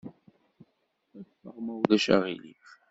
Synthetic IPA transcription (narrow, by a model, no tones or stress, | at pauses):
æθːəʁmæwðæʃæ̰ʁilḭf